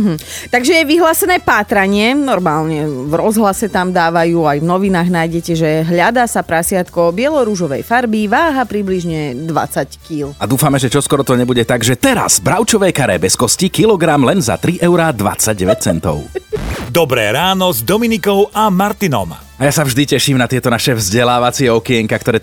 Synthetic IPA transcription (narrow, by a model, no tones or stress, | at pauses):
ɦm̩ | t̪aɡʒɛjɛʋiɦlaːsɛnɛːpaːt̪ɾaɲɪɛnɔɾmaːlɲɛvɾɔzɦlasɛt̪amd̪aːʋajuːajvnɔʋinaːɣnaːjɟɛcɛʒɛɦʎad̪aːsapɾasɪat̪kɔbɪɛlɔɾuʒɔʋɛ̰jfaɾbiʋaːɦapɾibliʒɲɛd̪ʋa̰t͡sackilad̪uːfamɛʒɛt͡ʃɔskɔɾɔt̪ɔɲɛbuɟɛt̪aɡʒɛt̪ɛɾa̰z̥bɾaʊt͡ʃɔʋɛjkaɾɛ̰ːbɛskɔscikilɔɡɾamlɛnza̰t̪ɾiʔɛʊɾad̪ʋa̰t͡saɟ̚ɟɛʋɛc̚t͡sɛnt̪ɔ̰ʊd̪ɔbɾɛ̰ːɾaːnɔzd̪ɔminikɔʊamaɾt̪inɔ̰m | ajasavʒd̪icɛʃiːmnat̪ɪɛt̪ɔnaʃɛvzɟɛlaːʋat͡siɛɔkiɛŋkak̚t̪ɔɾɛː